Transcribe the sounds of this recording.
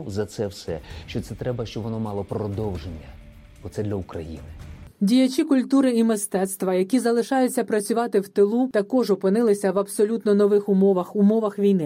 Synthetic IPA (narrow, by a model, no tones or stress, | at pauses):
zɐt̪sɛwsɛ̰ʃt͡ʃɔt̪sɛt̪ɾɛbɐʃt͡ʃɔbʋɔnɔmɑlˠɔpɾɔd̪ɔwʒenʲːɐ | ɔt̪sɛd̪lʲɐʊkɾɐ̰jḭnɪdʲijɐt͡ʃʲikʊlʲt̪uɾɪimɪst̪ɛt̪st̪ʋɐjɐkʲizɐlˠɪʃɑjʊt͡sʲːɐpɾɐt͡sʲʊʋɑt̪ɪwt̪ɪlˠut̪ɐkɔʒɔpɪnɪlˠɪsʲɐʋɐbsɔlʲut̪nɔnɔʋɪxʊmɔʋɐxʊmɔʋɐxʋʲijnɪ